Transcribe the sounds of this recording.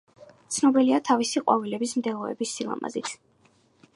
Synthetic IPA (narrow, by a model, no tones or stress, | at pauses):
t̪sʰnɔbiliat̪ʰavisiqʼwa̰vilɛbismd̪ɛlˠɔɛ̰bisːilˠa̰ma̰zit̪ʰ